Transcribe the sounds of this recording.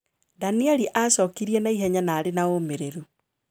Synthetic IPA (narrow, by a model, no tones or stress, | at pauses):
daniɛliʔasɔːkiɾiɛnaiɦɛɲanaːɾenaomeɾeɾu